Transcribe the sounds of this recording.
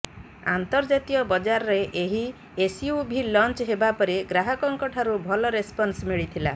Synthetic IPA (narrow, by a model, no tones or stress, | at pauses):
ant̪ɔɾd͡ʒat̪iɔbɔd͡ʒaɾɔɾeʔeɦi | esiubʱilɔnt͡ʃɦebapɔɾeɡɾaɦɔkɔŋkɔʈʰaɾubʱɔlɔɾespɔnsmiɭit̪ʰila̰